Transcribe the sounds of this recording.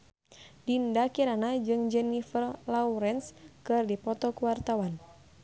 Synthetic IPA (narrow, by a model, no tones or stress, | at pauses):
dindakiɾanad͡ʒɨŋd͡ʒɛnifərlauɾɛnskɨrdipɔt̪ɔkuwart̪awan